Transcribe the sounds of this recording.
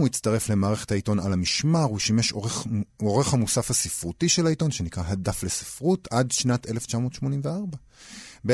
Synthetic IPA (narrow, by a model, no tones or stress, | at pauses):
uitt͡staʁe̞fle̞maːʁe̞χe̞̥thaito̞nalamiʃmaʁuʃime̞ʃoʁeχoʁe̞χhamusafhasifʁutiʃelaito̞nʃe̞nikʁaɦadafle̞si̥fʁutadʃnate̞left͡ʃamo̞ːtʃmo̞nimveaʁba | be